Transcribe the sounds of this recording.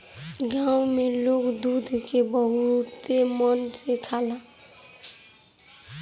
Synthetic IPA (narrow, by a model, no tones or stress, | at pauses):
ɡawmelokd̪ud̪ʱkebəɦut̪emənsekʰala